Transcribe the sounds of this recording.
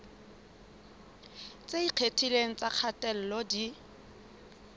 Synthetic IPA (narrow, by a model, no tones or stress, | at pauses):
t͡sʼeiq͡χʰetʰileŋ̩t͡sʼaq͡χʰatʼɛl̩lodi